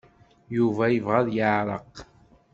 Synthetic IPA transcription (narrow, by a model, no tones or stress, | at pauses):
juvæjəvʁæðjəʕɾˤəq